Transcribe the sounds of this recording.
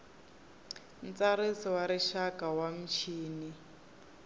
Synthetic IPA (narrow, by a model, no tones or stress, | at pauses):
n̩t͡saɾisiwaɾiʃakʼawam̩t͡ʃʰiːni